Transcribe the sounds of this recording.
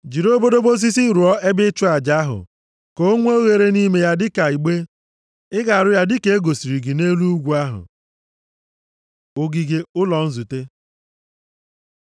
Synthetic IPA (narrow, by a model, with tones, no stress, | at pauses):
d͡ʒi˨ɾo˦bo˦do˦bo˦s̬i˦si˦ɾu˨ɔ˦e˦bɪ˦t͡ʃʊ˦a˨d͡ʒa˦ɦʊ̰˨ | ko˦ŋʷ˦o˦ɣe˨ɾe˦ni˦me˨ja˦dɪ˦ka˨i˨ɡ͡be˦ | ɪ˦ɡa˨a˨ɾʊ˦ja˦dɪ˦ke˦e˦ɡo˨si˨ɾi˨ɡi˨ne˦lu˦ɡʷu˨˦a˦ɦʊ̰˨ | o˦ɡi˨ɡe˦ʊ˦lɔ˨n̩˦zu˨te˦